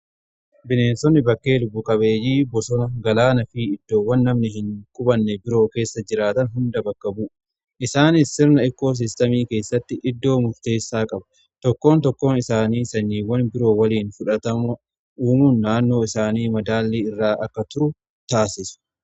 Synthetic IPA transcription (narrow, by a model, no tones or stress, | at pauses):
bɪneːnsɔnːɪbɐkːe̞ːlʊbːʊkʼɐbeːjiːbɔsɔnɐɡɐlaːnɐfiːɪd̪̥ːo̞ːwːɐnːɐmnɪɦɪŋkʼʊbɐnːɛbɪɾo̞ːke̞ːsːɐd͡ʒɪɾaːt̪ɐnɦʊnd̪ɐbɐkːɐbuː | ʔɪsaːnɪsːɪɾnɐɪkːo̞ːs̬ɪst̪ɐmiːke̞ːsːɐt̪ːɪʔɪd̪ːo̞ːmʊɾt̪e̞ːsːaːkʼɐbɐ̥ | t̪ɔkːo̞ːnt̪ɔkːo̞ːnɪsaːniːsɐɲːiːwɐnbɪɾo̞ːwɐliːnfʊᶑɐt̪ɐmʊ | ʔuːmuːnːaːnːo̞ːɪsaːniːmɐd̪aːlːiːɪrːaːʔɐkːɐt̪ʊɾʊ | t̪aːsɪsʊ̥